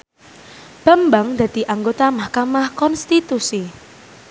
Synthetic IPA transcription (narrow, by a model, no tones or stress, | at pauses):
b̥ə̤mbaŋd̪̥a̤d̪̥i̤ʔaŋɡot̪amahkamahkɔnst̪it̪usi